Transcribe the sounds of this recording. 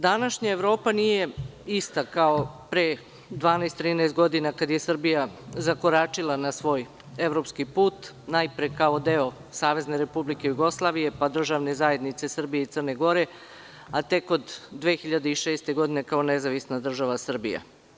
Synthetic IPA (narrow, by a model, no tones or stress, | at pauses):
d̪anaʃɲaevɾo̞ːpanije̞ist̪akao̞pɾe | d̪ʋaːnest̪ːɾiːneːst̪ɡo̞d̪inakad̪je̞sr̩bijazakoɾat͡ʂilˠanasʋo̞ːj | eʋɾo̞pskipuːt̪ | najpɾekaod̪eo̞ | saːʋe̞zne̞ɾe̞publike̞juɡo̞slˠaːʋije̞pad̪r̩ʒaʋne̞zae̞d̪nit̪se̞sr̩bijeit̪sərne̞ɡo̞ɾe̞ | at̪e̞kod̪ːʋexiʎad̪eiʃeːst̪e̞ɡo̞d̪ine̞kao̞nezaʋisnad̪r̩ʒaʋasr̩bḭja̰